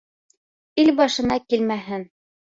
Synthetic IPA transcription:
ilbɑʃɤ̆nɑkilmæɦɘn

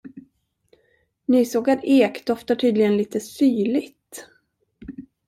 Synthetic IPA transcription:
nyːsoːɡaɾeːkd̪ɔft̪aʈʰyːd̪lɪɡənliːt̪əsyːɭɪt̪

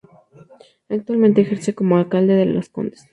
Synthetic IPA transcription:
ak̚t̪walment̪eːxeɾseko̞moalkald̪eðelosko̰nd̪e̥s

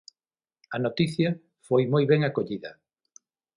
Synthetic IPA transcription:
ɐnot̪iθjɐ | fojmojβɛŋakoʎiðɐ̰

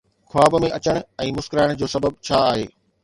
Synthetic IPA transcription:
kʰʊaːbmẽʔɐt͡ɕəɽ̃̆ɛ̃ːmʊskɪɾaːɪɽ̃d͡ʑoːsɐbəb̚t͡ɕʰaːaːɦḛː

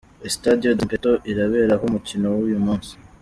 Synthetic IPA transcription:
estadijodimpetoʔiɾaβe̞ːɾaɦumucino̞wujumuːnsi̥

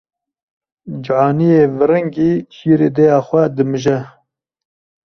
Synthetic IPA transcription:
d͡ʒʕɑːnijeːvɨɾɨŋɡeːt͡ʃʰiːɾeːd̪ɛjɑːxʷɛd̪ɨmɨʒɛ

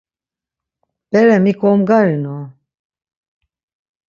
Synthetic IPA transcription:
b̥ɛɾɛmikʰɔmɡaɾinɔ

